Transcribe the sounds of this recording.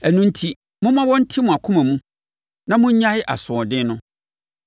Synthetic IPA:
æ˨nũ˦n̩˦tʰi˦ | mʊ̃˦mã˦wɔ̃˦n̩˦tʰɪ˦mʊ̃˨a˨kʰʊ̃˦mæ̃˨mũ˦ | nã˦mʊ̃˦ɲ̩˦ɲã˦ɪ˦ʔa̰˨sʊ̃˨ɔ˨dɪ̃˦nʊ̃˦

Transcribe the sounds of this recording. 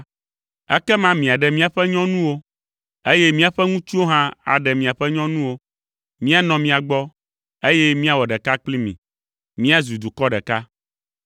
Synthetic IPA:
ɛ˦kɛ˦mã˦mĩ˨a˨ɖɛ˨mĩ˦a˨ɸɛ˦ɲɔ̃˦nũ˦wo˦ | e˦jɛ˦mĩ˦a˨ɸɛ˦ŋũ˦t͡ʃi˦wo˦ɦã˦a̰˨ɖɛ˨mĩ˨a˨ɸɛ˦ɲɔ̃˦nũ˦wo˦ | mĩ˦a˨nɔ̃˨mĩ˨a˨ɡ͡bɔ˦ | e˦jɛ˦mĩ˦a˨wɔ˨ɖɛ˨ka˦k͡pli˦mḭ̃˨ | mĩ˦a˦zu˨d̪u˨kɔ˦ɖɛ˨ka˦

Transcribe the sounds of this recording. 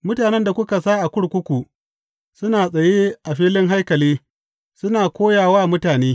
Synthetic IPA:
mʊ˦taː˨nɛ˦nda˨kʷʊ˦ka˨saː˦ʔa˨kʷʊ˦ɽkʷʊ˦kʷu˨ | sʊ˦naː˨sʼɐ˨jeː˦ʔa˨ɸiː˦lɪ˦ŋɦa˦jkɐ˨leː˦ | sʊ˦naː˨kʷoː˦jaː˨waː˦mʊ˦taː˨neː˦

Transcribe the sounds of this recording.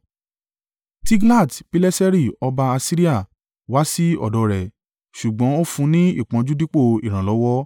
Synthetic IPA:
ti˦ɡla˦˨tpi˦lɛ˦sɛ˦ɾi˦˨ɔ˧ba˧a˧si˦ɾi˦a˦˨ | wa˦si˦ɔ̰˦˨dɔ˨˧ɾɛ˨ | ʃu˨ɡ͡bɔ̃˨˦o˦fũ˧nĩ˦ḭ˦˨k͡pã˨˧d͡ʒu˦di˦k͡po˦˨i˨ɾ̃ã˨lɔ˨˦wɔ˦

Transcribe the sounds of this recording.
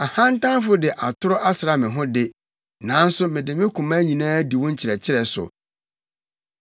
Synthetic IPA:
a˨hã˦n̩˦tʰã˦n˦fʊ˦dɪ˨ʔa˨tʰʊ˦ɾʊ˦ʔa˦sɾa˨mɪ̃˨ɦʊ̃˦dɪ˦ | nã˨˦n̩˦sʊ˦mɪ̃˨dɪ˨mɪ̃˦kʰʊ̃˨ma˦ɲĩ˨nãː˦di˨wʊ̃˦ɲ̩˦t͡ɕʰɪ˨ɾɛ˨t͡ɕʰɪ˦ɾɛ˨sʊ̰˨

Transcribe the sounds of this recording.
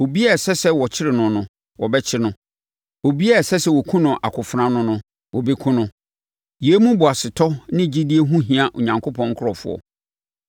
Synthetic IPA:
o˨bi˦ɛ˦˨sɛ˦sɛ˦wɔ˨t͡ɕʰɪ˦ɾɪ˨nʊ̃˨nʊ̃˨ | wɔ˨bɛ˦t͡ɕʰɪ˦nʊ̃˦ | o˨bi˦ɛ˦˨sɛ˦sɛ˦wɔ˨kʰũ˦nʊ̃˨ʔa̰˨kʰʊ˨fɾã˦nʊ̃˦nʊ̃˦ | wɔ˨be˦kʰũ˦nʊ̃˦ | je˦mũ˦bʊ˨a˨sɪ˨tʰɔ˦nɪ̃˦˨d͡ʑi˦di˦e˦ɦũ˦ɦĩ˨a˨ʔo˨ɲã˨ŋkʰo˦pʰɔ̃˦ŋ̩˦kʰʊ˦ɾɔ˨fʊ̰˦ɔ̰˨

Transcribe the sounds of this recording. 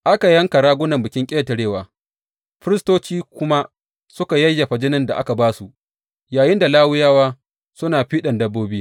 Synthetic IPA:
ʔa˦ka˨jɐ˦ŋka˨ɽaː˦ɡʷʊ˦nɐ˨mbɪ˨kʲɪ˦ŋkʲʼeː˦ta˨ɽeː˦˨waː˨ | ɸɪ˦ɾɪ˦stoː˦t͡ʃiː˦kʷʊ˦ma˦ | sʊ˦ka˨jɐ˦jːa˨ɸɐ˨d͡ʒɪ˦nɪ˦nda˨ʔa̰˦ka˨baː˦su˦˨ | jaː˨jɪ˦nda˨laː˦wʊ˦jaː˦waː˦ | sʊ˦naː˨ɸiː˦ɗɐ˨ndɐ˦bːoː˦biː˦

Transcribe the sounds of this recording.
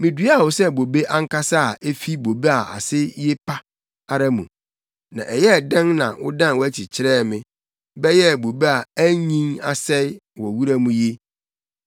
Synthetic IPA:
mĩ˨dɥa˦˨wʊ˨sɛ˦˨bo˨be˦ʔã˦ŋ˦ka˦sa˦a˨ʔe˦fi˦bo˨be˦a˨ʔa̰˨sɪ˦je˦pʰa˦ | a˦ɾa˦mũ˨ | nã̰˨ʔɛ˨jɛ˦˨dɛ̃˦ŋnã̰˨wʊ̰˦dã˦n˨wɔ˦æ˦t͡ɕʰi˨t͡ɕʰɪ˦ɾɛː˦˨mɪ̃˦˨ | bɛ˦jɛ˦˨bo˨be˦a˨æ˦ɲĩ˦ŋa˨sɛ˦ɪ˦wɔ˨wu˦ɾa˦mũ˦je˦

